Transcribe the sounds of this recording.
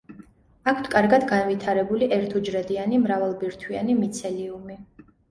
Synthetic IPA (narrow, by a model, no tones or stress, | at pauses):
akʰt̪ʰkʼaɾɡad̪ɡanvit̪ʰaɾɛbuliʔɛɾt̪ʰɔd͡ʒɾɛd̪ianimɾavalˠbiɾt̪ʰwianimit̪sʰɛliumi